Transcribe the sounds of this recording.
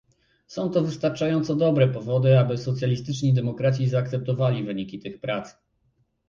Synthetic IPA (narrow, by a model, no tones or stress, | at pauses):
sɔ̃w̃t̪ɔvɘst̪aɾt͡ʂajɔnt̪sɔd̪ɔbɾɛpɔvɔd̪ɘabɘsɔt̪sʲjalʲist̪ɘt͡ʂɲid̪ɛmɔkɾat͡ɕizaːk̚t̪sɛp̚t̪ɔvalʲivɘɲikʲit̪ɘxpɾat̪s